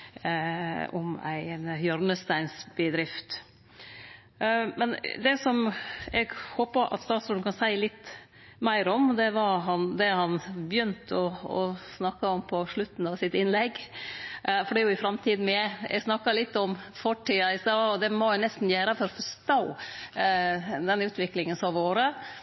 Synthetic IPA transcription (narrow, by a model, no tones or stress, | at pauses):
ɔmæ̰ɪnjœɾnəst̪æɪnsb̥əd̪ɾɪft̪ | mɛnd̪ɛsɔmɛɡhoːpəɾʔɑ̰t̪st̪ɑːt̪soːd̪nkʰɑnsæɪlɪt̪ː | mæɪɾɔmd̪ɛʋɑɾɦɑnd̪ɛhɑnbjʏnt̪ɔɔsnɑkːɑɔmpʰɔʂɭʉt̪ːn̩ɑʋsɪt̪ɪnlɛɡ | fɔɖɛːjʊɪfɾɑmt̪ʰiːd̪n̩mɛæɛ̰ɡsnɑkːɑlɪt̪ːɔmfɔʈiːɑɪsɑːɔd̪ɛmɔɛnɛst̪n̩jæːɾəfɔɾfɔst̪oː | d̪ɛnʉːt̪ʋɪklɪŋənsɔʋoːɾə